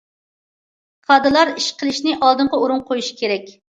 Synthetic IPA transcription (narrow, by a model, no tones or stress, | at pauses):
qʰɑd̪ɨlˠɑɾiʃqʰəlˠɪʃnɪʔɑlˠd̪ɨɴʁɑuɾuŋqʰojuʃi̥kʲʰeɾɛkʲ